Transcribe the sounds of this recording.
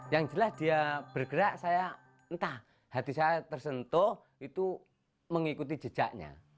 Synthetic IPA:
jaŋd͡ʒəlasdiab̥ərɡəɾaʔsaja | nt̪ah | hat̪isajat̪ərsənt̪ɔh | it̪u | məŋikut̪i̥d͡ʒə̥d͡ʒ̥aʔɲa̰

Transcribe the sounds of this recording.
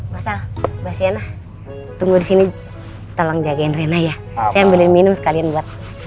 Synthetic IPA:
masabasianah | t̪uŋɡudisini | t̪olɔŋd͡ʒaɡaɪnrenaja | sajambilɪnminʊmsə̥kalianbuat̪̚

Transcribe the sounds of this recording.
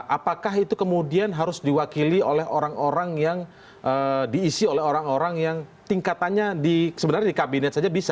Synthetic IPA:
ʔapakaɦit̪ukəmudianɦaɾʊsdiwakiliolɛɦoɾaŋoɾaŋjaŋ | ʔədiːsiolɛɦoɾaŋoɾaŋjaŋt̪iŋkat̪anɲadisəbənarɲdikabinɛt̪̚sad͡ʒabisa

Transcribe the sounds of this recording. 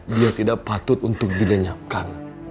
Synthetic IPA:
diat̪idaʔ̚pat̪ʊt̪unt̪ʊk̚diləɲap̚kan

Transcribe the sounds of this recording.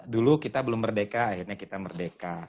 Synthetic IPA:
dulukit̪abəlʊmbərdekaːɦirɲakit̪amərdeka

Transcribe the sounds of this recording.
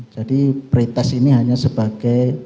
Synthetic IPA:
d͡ʒ̥adipɾit̪ɛsiniɦaɲasəbaɡ̥aj

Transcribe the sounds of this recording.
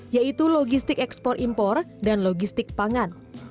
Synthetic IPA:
jait̪uloɡist̪ɪkɛkspɔrʔimpɔrdanloɡist̪ɪk̚paŋan

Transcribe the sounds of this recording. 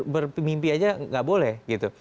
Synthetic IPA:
bərpimimpiad͡ʒaŋɡaʔbolɛhɡit̪u

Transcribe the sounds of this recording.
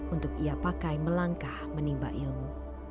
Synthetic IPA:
unt̪ʊkiapakajməlaŋkahmənimba̰ʔilmu

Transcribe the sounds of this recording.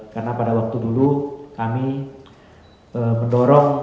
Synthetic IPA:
karənapadawak̚t̪udulukami | əməndɔɾɔŋ

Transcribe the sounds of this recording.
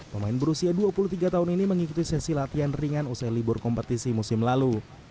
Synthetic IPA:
pəmaɪnbəɾusiaduapuluht̪iɡat̪aʊniniməŋikut̪isɛsilat̪ianriŋanusajlibʊrkɔmpət̪isimusɪmlalu

